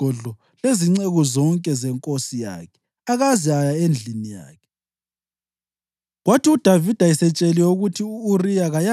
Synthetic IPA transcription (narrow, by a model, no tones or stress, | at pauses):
ɔɮɔ | leziŋ͡ǀɛɣɔzɔŋkʼɛzɛŋkʼosija̰ːkʰɛ̥ | aɣaziajaend͡ɮʱinija̰ːkʰɛ̥ | ɣwatʰiud̥ʱavid̥ʱaisɛt͡ʃʼɛlɛuɣutʰiuːrijaɣaja